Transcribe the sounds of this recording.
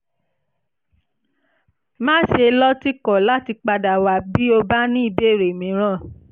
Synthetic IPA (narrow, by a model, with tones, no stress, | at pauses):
mãː˦ʃe˧lɔ˦ti˦kɔ˨la˨˦ti˧k͡pa˧da˨wa˨bi˦o˧ba˦nĩ˦i˦˧˨be˦˨ɾe˨mĩ˨˦ɾ̃ã˦˨